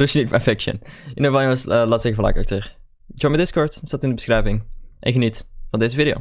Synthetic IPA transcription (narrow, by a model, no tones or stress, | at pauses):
rusnikpɛfɛkʃə̰nɪnəʋajəəsəlaːtsɛxəfɔla̰kɑ̰k̚tøːɹ | d͡ʒɔɹmədɪskɔɹtsatɪndəbəsxrɛjvɪŋʔɛ̰nxənitfɑndeːzəvidɪo̰w